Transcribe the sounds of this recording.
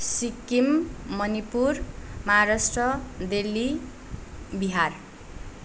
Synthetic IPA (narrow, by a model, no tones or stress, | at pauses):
sikimmːʌnipurmʌɦaɾasʈrʌd̪elːi | biɦar